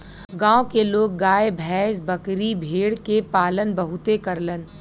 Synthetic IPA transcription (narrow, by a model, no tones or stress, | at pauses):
ɡãːokeloːɡ̚ːaːebʱɛːsbɐkɾibʱeːɽkepaːlənbɐɦʊt̪ekɐɾlən